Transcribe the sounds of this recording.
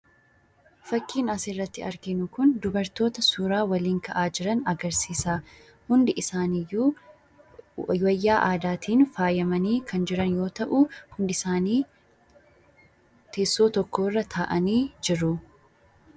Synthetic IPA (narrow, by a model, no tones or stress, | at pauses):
fɐkːiːnɐsɪrːɐt̪ːɪɐɾɡɪnʊkʊnd̪ʊbɐɾt̪o̞ːt̪ɐsuːɾaːwɐliːŋkɐʔaːd͡ʒɪɾɐnɐɡɐɾsiːsaː | hʊnd̪ɪʔɪsaːnɪjːuː | wɐjːaːʔaːd̪aːt̪ʰiːnfaːjɐmɐniːkʰɐnd͡ʒɪɾɐnjo̞ːt̪ɐʔʊhʊnd̪ɪsaːniː | t̪ʰeːsːo̞ːt̪ɔkːo̞ːrːɐt̪ʰaːʔɐniːd͡ʒɪɾʊ